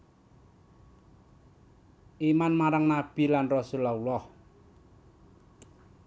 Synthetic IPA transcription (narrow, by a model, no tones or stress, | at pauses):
ʔimanmaɾaŋnab̥i̤lanrɔsulaulɔh